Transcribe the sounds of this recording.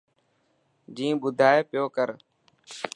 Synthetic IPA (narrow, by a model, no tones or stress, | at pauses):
d͡ʒĩːbʊd̪ʱaːeːpɪjoːkəɾ